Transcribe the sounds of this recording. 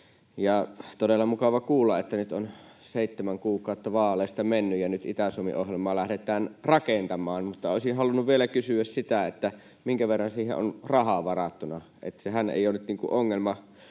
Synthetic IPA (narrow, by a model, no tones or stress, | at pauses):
jɑt̪odelːɑmukɑʋɑkuːlːɑʔet̪ːænyt̪on | seˑit̪ːemæŋkuːkɑˑot̪ːɑʋɑːlˑeˑːst̪ɑmenːyjjɑnyt̪ḭt̪æsumḭʔohjelmɑːlæhɾet̪ˑæːnrɑkent̪ɑmˑɑːnmut̪ːɑoˑesinhɑlunːuʋʋielækysyæssit̪æet̪ːæ | miŋkæʋerːɑnsiːhḛʔo̰nrɑhɑʋɑrɑt̪ːunɑ | ʔḛt̪sehænḛijoˑːnːyt̪niːŋkṵʔʔoŋːelmɑ